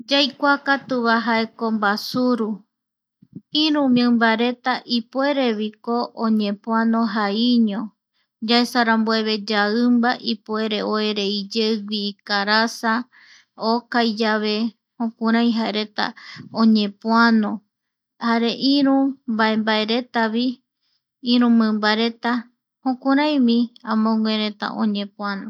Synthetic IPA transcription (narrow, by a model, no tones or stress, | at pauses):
d͡ʒajkʷakat̪uβaɦaeko̞mbasuɾu | ĩɾũmẽmbaɾe̞t̪aʔipwe̞ɾe̞βikoʔoɲẽ̞pw̃anõɦaiɲõ | d͡ʒaesaɾãmboe̞βe̞d͡ʒaɨmbaʔipue̞ɾe̞ʔoeɾe̞id͡ʒewʷiːkaɾasa | okajd͡ʒaβe̞ | hõkũɾ̃ãj̃ɦaeɾe̞t̪a̰õɲẽ̞pwanõ̞ | haɾe̞ʔĩɾũbaembaeɾe̞t̪aβi | ĩɾũmɨ̃mbaɾe̞t̪a | hõkũɾ̃ãj̃mĩãmõŋwẽɾe̞t̪a̰ʔõ̰ɲẽ̞pũanõ